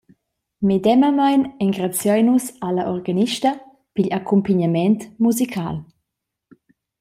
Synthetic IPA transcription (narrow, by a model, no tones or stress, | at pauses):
med̪ɛmamajnɛŋɡɾat͡sjɔjnusalaʔɔʁɡaniʃtə | piʎakʰumpiɲamɛnt̪muzikʰa̰ːl